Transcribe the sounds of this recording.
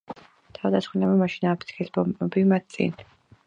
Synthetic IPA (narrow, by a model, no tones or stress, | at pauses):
t̪ʰavd̪asχwinamamaʃinaːpʰt̪sʰkʰisbɔmbimat̪̚ʰt̪sʼḭn